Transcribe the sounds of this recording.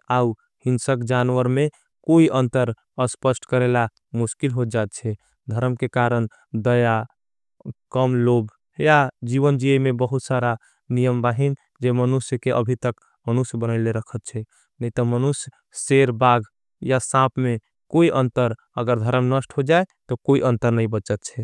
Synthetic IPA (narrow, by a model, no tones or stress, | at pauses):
au | hinsəkd͡ʒanʋəɾme | koiʔənt̪əɾ | əspəsʈkəɾela | muskilɦod͡ʒaet̪̚t͡ʃʰɛ | d̪ʱəɾəmkekaɾən | d̪əja | kəmlob | jad͡ʒiʋənd͡ʒiəmebəɦut̪saɾa | nijəmbaɦin | d͡ʒemənusjkeʔəbʱit̪ək | mənusjbənəɪleɾəkʰət̪̚t͡ʃʰɛ | nəit̪ɔmənusj | seɾbaɡʱ | jasãpʰme | koiʔənt̪əɾ | əɡəɾd̪ʱəɾəmnəsʈɦod͡ʒaet̪ɔkoiʔənt̪əɾnəibət͡ʃət̪̚t͡ʃʰɛ